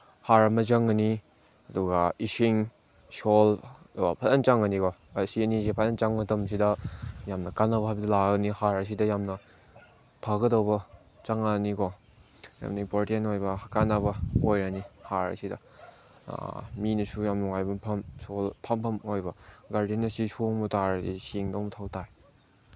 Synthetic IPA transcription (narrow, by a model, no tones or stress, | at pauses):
haɾɐmɐzɐŋɐni | ɐduɡɐisiŋ | solapʰɐtɐnt͡ʃaŋɐnikɔsiɐnisepʰɐtɐnt͡ʃaŋmɐtɐms̬idɐjamnɐkanɐbɐɦajbɐdɐlaɐnihaɾɐs̬idɐjamnɐ | pʰaɡɐdɐwbɐ | t͡ʃaŋanikɔ | ja̰mnɐimpoɾtienojbɐkanɐbɐojɾanihaɾɐ̰sidɐ̰ | minɐsujamnuŋajbɐpʰɐmsolpʰɐmpʰɐmojbɐɡaɾdienɐsisoŋmutaɾɐdḭsiŋdowmɐtʰawtʰaj